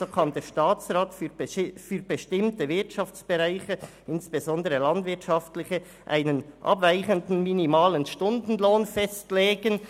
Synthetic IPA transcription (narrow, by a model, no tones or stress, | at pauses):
zoːkʰɑndeʃtaːt͡sʁaːtffyːɾbəʃtɪmtəvɪɐtʃɑft͡sb̥eʁaɪçə | ʔɪnsb̥ezɔndəʁəlɑndvɪɐtʃɑftlɪçə | ʔa̰ɪnənʔɑ̰bvaɪçəndn̩minimaːlənʃtʊndn̩loːnfɛstleːɡən